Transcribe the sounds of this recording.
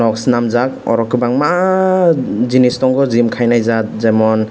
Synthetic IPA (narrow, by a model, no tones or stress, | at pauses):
ɔksnamzakɔ̰ɾɔkɯbaŋma | zinistɔŋɡɔzimkʰajnajzat̚zamɔn